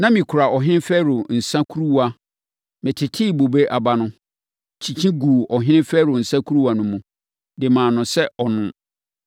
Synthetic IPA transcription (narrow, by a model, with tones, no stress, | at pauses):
nã˦mĩ˨kʰʊ˨ɾa˨ʔɔ˨ɦɪ̃˦nɪ̃˦fɛː˦ɾʊ˨n̩˨sã˦kʰu˦ɾu˦wa˨ | mɪ̃˨tʰɪ˨tʰɪː˦˨bo˨be˦ʔa˨ba˦nʊ̃˦ | t͡ɕʰĩ˨t͡ɕʰĩ˦ɡu˨ɔ˨ɦɪ̃˦nɪ̃˦fɛː˦ɾʊ˨n̩˨sã˦kʰu˦ɾu˦a˨nʊ̃˦mũ˨ | dɪ˨mãː˨nʊ̃˨sɛ˦ɔ˨nʊ̃˦